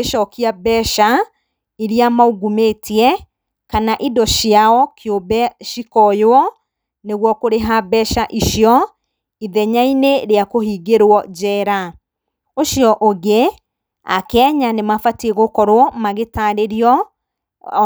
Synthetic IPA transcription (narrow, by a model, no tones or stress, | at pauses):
eʃɔkiabɛʃa | iɾiamauɡumetiɛ | kanaʔidɔʃiaɔkjobɛʃikɔjoɔ | neɣwɔkoɾeɦabɛʃaʔiʃiɔ | iðɛɲaineɾeakohiɡeɾwɔd͡ʑɛɾa | oʃjɔʔoɣe | a̰kɛɲanemafatieɣokɔɾwɔmaɣetaɾeɾiɔ